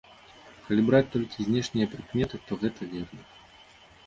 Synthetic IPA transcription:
kɐlʲibɾat͡sʲt̪ɔlʲkʲizʲnʲɛʂnʲijɐpɾɨkmʲɛt̪ɨt̪ɔɣɛt̪ɐvʲɛrnɐ

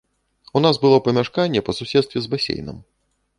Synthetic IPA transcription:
unazbɨlˠɔpɐmʲaʂkanʲːɛpɐsusʲɛt̪st̪vʲɛzbasʲḛjnɨ̰m

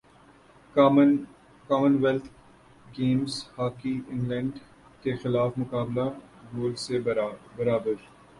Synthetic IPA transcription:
kaːmə̃nʋɛlt̪ʰ | ɡẽːmzhaːkiɪ̃ŋɡlɛ̃ɳɖ | kexɪlaːfmʊkaːbla | ɡoːlsebɐɾaːbəɾ

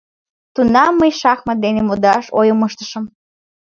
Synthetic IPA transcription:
t̪unɑmːəjʃɑxməd̪enemod̪ɑʃojəməʃt̪ə̥ʃəm

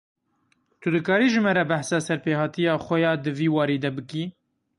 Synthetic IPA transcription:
t̪ʰʊd̪ɨkɑːɾiːʒɨmɛɾɛbæħsɑːsɛɾpeːhɑːt̪ijɑːxʷɛjɑːd̪ɨviːwɑːɾiːd̪ɛbɨkiː

